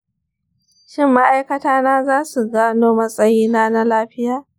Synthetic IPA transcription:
ʃɪ˦˨mːa˦ʔa˦jkɐ˦taː˦naː˦zaː˦su˨ɡaː˦noː˦mɐ˦sʼɐ˦jiː˦naː˦na˦laː˦ɸɪ˦jaː˨

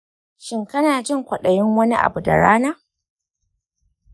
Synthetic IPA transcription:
ʃɪ˦ŋkɐ˦naː˨d͡ʒɪ˦˨ŋkʷɐ˨ɗɐ˨jɪ˦ŋwɐ˦ni˦ʔa̰˨bu˨da̰˨ɽa̰ː˦naː˦

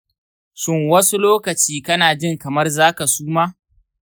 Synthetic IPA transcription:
ʃɪ˦ŋwɐ˦su˦loː˦kɐ˨t͡ʃiː˦kɐ˦naː˨d͡ʒɪ˦˨ŋkɐ˨mɐ˦rzaː˦ka˨suː˦maː˦

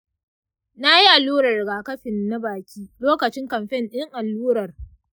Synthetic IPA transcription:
na˦ji˦ʔa˨luː˦ɽɐ˨rɡaː˨kɐ˦ɸɪ˨nːa˦baː˨kʲʰiː˦loː˦kɐ˨t͡ʃɪ˦ŋkɐ˨mɸɛ˦nɗɪ˦ŋʔa˨lːuː˦ɾɐ˨r

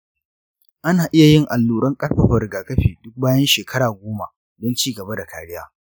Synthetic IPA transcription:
ʔa˦naː˨ʔɪ˦ja˨jɪ˦˨ŋʔa˨lːuː˨ɽɐ˦ŋkʼɐ˦rɸɐ˨ɸɐ˨rɡaː˨kɐ˦ɸiː˨dʊ˦k̚baː˦jɐ˦nʃeː˨kʰɐ˦ɽaː˨ɡʷoː˦ma̰˨ | dɔ˦nt͡ʃiː˦ɡɐ˨ba˦da˨kaː˨ɽɪ˦jaː˦

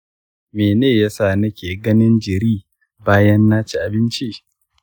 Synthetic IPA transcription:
meː˨neː˦˨ja˦saː˦˨nɐ˦kʲeː˨ɡɐ˦nɪ˦nd͡ʒɪ˨ɾiː˦ | baː˦jɐ˦nːaː˦t͡ʃi˨ʔa˨bɪ˦nt͡ʃi˦ʔ

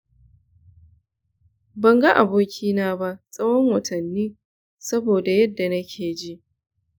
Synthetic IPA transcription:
bɐ˨ŋɡa˦ʔa˨boː˦kʲʰiː˦naː˦ba˦ʔsʼɐ˦wɔ˦ŋwɐ˨tʰɐ˨nːiː˦ | sɐ˦boː˨da˨jɐ˦dːa˨nɐ˦kʲʰeː˨d͡ʒi˦ʔ

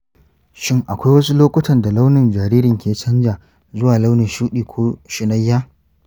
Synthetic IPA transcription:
ʃɪ˦˨ŋʔa˨kʷa˦jwɐ˦su˦loː˦kʷʊ˦tɐ˨nda˨la˦wnɪ˨nd͡ʒaː˨ɾiː˦ɾɪ˨ŋkʲʰeː˨˦t͡ʃɐ˦nd͡ʒaː˨ | zʊ˦waː˨la˦wnɪ˨ʃuː˦ɗiː˨kʷʰoː˦ʃɪ˨nɐ˦jːaː˦

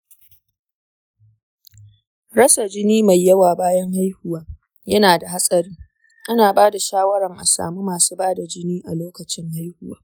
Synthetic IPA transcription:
ɾɐ˦sa˨d͡ʒɪ˦niː˦ma˨jːɐ˦waː˨baː˦jɐ˦ŋɦa˦jhʊ˨waː˦ | jɐ˦naː˨da˨ɦa˦sʼɐ˨ɾɪ˦ŋ | ʔa˦naː˨baː˦da˨ʃaː˦wɐ˦ɾɐ˨ŋʔa˨sa̰ː˨muː˦maː˨suː˦baː˦da˨d͡ʒɪ˦niː˦ʔa˨loː˦kɐ˨t͡ʃɪ˦ŋha˦jhʊ˦waː˦

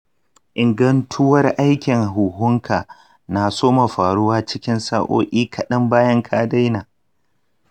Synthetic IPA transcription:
ʔɪ˨ŋɡɐ˦ntʰʊ˦wɐ˦rʔa˦jkʲɪ˨ŋɦʊ˨hʊ˦ŋkʰaː˨ | naː˨soː˦ma˨ɸaː˨ɽʊ˦waː˦t͡ʃɪ˦kʲɪ˦nsa̰ː˦ʔo̰ː˦ʔʲiː˦kʰɐ˨ɗɐ˦mbaː˦jɐ˦ŋkʰaː˦da˦jnaː˨

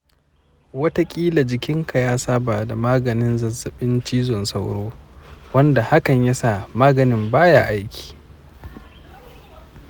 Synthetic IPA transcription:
wɐ˦ta˦kʲʼiː˦la˨d͡ʒɪ˨kʲɪ˦ŋkʰa˨jaː˦saː˦baː˨da˨maː˦ɡɐ˨nɪ˦nzɐ˨zːɐ˨ɓɪ˦nt͡ʃiː˦zɔ˨nsa˦˨wɽoː˦wɐ˦nda˨ha˦kɐ˨ɲja˦saː˦˨maː˦ɡɐ˨nɪ˦mbaː˦ja˦˨ʔa˦jkʲi̥ː˨

